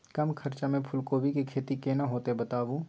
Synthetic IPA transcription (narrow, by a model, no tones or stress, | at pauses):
kɐmkʰɐɾt͡ʃamẽpʰʊlkoːbʱikikʰeːt̪ikeːnaɦoːt̪ebɐt̪aːʋu